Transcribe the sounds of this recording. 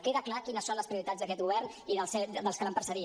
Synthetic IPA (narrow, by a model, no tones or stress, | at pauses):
keðəklakinəsːonləspɾiuɾit̪azðəkɛt̪ɣuβɛrn | iðəlˠsɛd̪əlˠskələmpɾsəɾi